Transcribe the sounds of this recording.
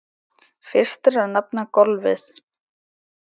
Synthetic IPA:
fɪr̥st̪ɪɾaðnap̚nakɔlvɪ̰θ

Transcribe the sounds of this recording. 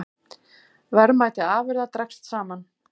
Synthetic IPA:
vɛɾmaːjt̪ɪaːvʏɾðat̪ɾɛkst̪saːman

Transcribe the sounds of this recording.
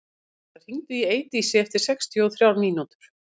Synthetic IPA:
ɛθaɾ̥hiŋt̪ʏieːjt̪iːsɪɛft̪ɪɾ̥sɛkst̪ʰiɔɔθɾjawɾmiːnut̪ʏ̥ɾ̥

